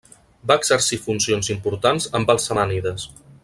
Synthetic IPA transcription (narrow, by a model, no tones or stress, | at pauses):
baəɡz̥əɾsifunsionzimpuɾt̪anzəmbalˠsəmaniðəs